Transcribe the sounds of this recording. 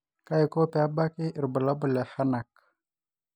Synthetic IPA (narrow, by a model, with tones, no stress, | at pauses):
ka˦i˨ko˦pe˨a˦ba˦ki˦ʔi˨ɾbu˨la˦bu˨le˨ha˦na˨k̚